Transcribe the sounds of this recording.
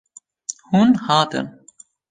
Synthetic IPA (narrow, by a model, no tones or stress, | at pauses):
huːnhaːt̪ʰɨ̰n